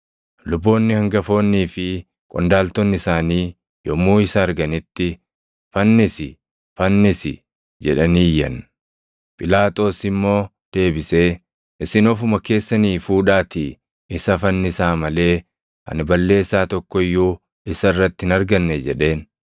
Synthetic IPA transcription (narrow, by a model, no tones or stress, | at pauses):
lʊbːo̞ːnːɪhɐŋɡɐfo̞ːnːiːfɪ | kʼɔnd̪aːlt̪ɔnːɪsaːniː | jɔmːuːɪsɐːɾɡɐnɪt̪ːɪ | fɐnːɪsɪ̰ | fɐnːɪsɪ̰ | d͡ʒɛᶑɐniːjːɐ̰n | pʼɪlaːt̪ʼo̞ːsɪmːo̞ː | d̪̥e̞ːbɪse̞ː | ʔɪsɪnɔfʊmɐke̞ːsːɐniːfuːᶑaːt̪ɪ | ɪsɐfɐnːɪsaːmɐle̞ː | ʔɐ̰nɪbɐlːe̞ːsːaːt̪ɔkːɔɪjːuː | ɪsɐɪrːɐt̪ːɪɪnɐɾɡɐnːɛd͡ʒɛᶑe̞ːn